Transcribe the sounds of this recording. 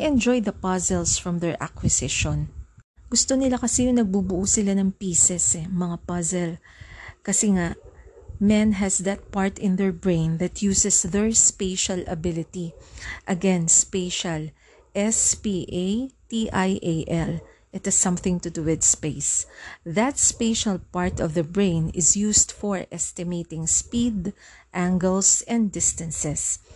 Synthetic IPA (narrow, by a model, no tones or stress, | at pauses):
ʔɛ̃nd͡ʒɔjd̪ɐpɐzɛlsfɹɐ̃mðɛɹʔa̰kwɪsɪʃɔ̃nɡʊst̪o̞nɪlakɐsɛjʊŋnɐɡ̚bubʊʔusɪlanɐŋpiːsɛsɛmɐŋapɐzɛl | kɐsɛŋaʔmɛ̃nɦɛsðɐt̪̚paɹt̪ɪ̃nd̪ɛɹbɹẽjnðɐt̪̚ʰjuːsɛsðɛɹspeɪʃɐlɐ̰bɪlɪt̪iʔɐɡɛ̃nspeɪʃal | ʔɛspiʔejt̪iʔajʔeʔɛl | ʔɪt̪ɪsːʌ̃mθɪ̃ŋt̪ʊd̪uɪd̪speɪsðɐt̪̚speɪʃɐlpaɹt̪ɔvðɐbɹẽɪ̃nɪ̰zjuːsd̪̥fɔɹʔɛst̪ɪmeɪt̪ɪ̃ŋspid̪ʔæ̃ŋɡɛlsɛ̃nd̪ɪst̪ɐ̃nsɛs